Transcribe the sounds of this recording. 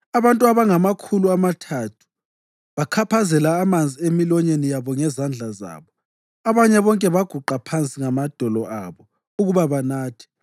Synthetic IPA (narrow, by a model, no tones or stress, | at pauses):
aβantʼuaβaŋamakʰuluamatʰatʰu̥ | βakʰapʰazɛlaːmand͡zʱiemilɔɲenijaβɔŋɛzand͡ɮʱaza̰ːβɔ | aβaɲɛβɔŋkʼɛβaɡ̥ʱuǃapʰant͡sʼiŋamad̥ʱɔlɔʔa̰βɔ | uɣuβaβanaːtʰi̥